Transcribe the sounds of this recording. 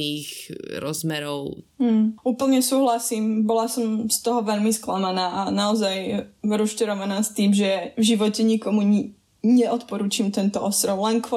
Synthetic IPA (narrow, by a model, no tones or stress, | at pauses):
iːɣɾɔzmɛɾɔʊm̩uːpl̩ɲɛsuːɦlasiːmbɔlasɔmst̪ɔɦɔʋɛʎmisklamanaːʔanaɔzajɾuʃcɛɾɔʋanaːst̪iːmʒɛvʒiʋɔcɛɲikɔmuɲ | ɲɛʔɔt̪pɔɾuːt͡ʃiːmt̪ɛnt̪ɔʔɔst̪ɾɔʊlɛnkɔ